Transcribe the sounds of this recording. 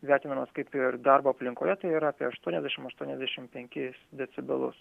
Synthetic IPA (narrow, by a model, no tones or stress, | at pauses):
ʋʲæɾʲt̪ʲɪːnɐmɐskɐɪpɪɾd̪ɑɾboːɐpʲlʲɪŋkoːjɛt̪ɐɪiɾɐːpʲiɛɐʃt̪uɔnʲɛzʲd̪ʲæɛʃʲɪmɐʃt̪uɔnʲɛzʲd̪ʲæʃʲɪmpʲɛŋʲkʲɪsd̪ʲɛt̪sʲɪbʲɪlˠʊ̰s